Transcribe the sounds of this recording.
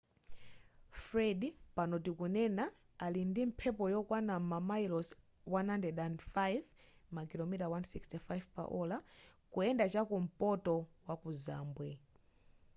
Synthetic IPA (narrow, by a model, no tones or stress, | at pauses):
fɾɛdipanɔtikunɛna | alindim̩pʰɛpɔjɔkwanamamajlɔs | wanhandɛdanfajvmakilɔmitawansikstifajvpa̰ʔɔlakuɛndat͡ʃakum̩pɔtɔwakuza̰ːmbwɛ